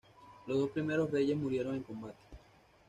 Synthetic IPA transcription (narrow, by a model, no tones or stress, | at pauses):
lo̞zðo̞spɾime̞ɾo̞sre̞ʝe̞smuɾje̞ɾo̞ŋe̞ŋko̞mbat̪e̥